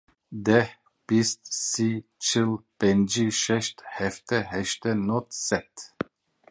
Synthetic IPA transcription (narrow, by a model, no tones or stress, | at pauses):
d̪ɛ | b̥ɪst̪sit͡ʃʰɪlb̥ɛnd͡ʒiʃɛʃt̪hɛft̪əhɛʃt̪ənɔt̪sɛt̪